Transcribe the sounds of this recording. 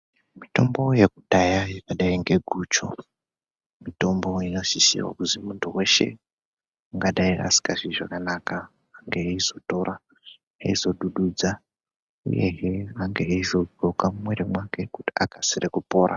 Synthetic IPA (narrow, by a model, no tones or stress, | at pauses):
mito̞mbo̞je̞kuɗajajekaɗaiŋɡe̞ɡʱuːt͡ʃo | mito̞mbo̞ino̞ʃisḭwa̰kuzimuntʰuwe̞ʃe̞̰ | aŋɡaɗaiʔa̰si̥kaʐiʐakanakaː | ŋɡeːizo̞to̞ra | aizo̞ɗuɗud͡za | ṵje̞̰ɦeaŋɡeːizo̞ɡokamumwe̞ɾemwake̞kuti̥akʰasirekupo̞ːɾʔa̰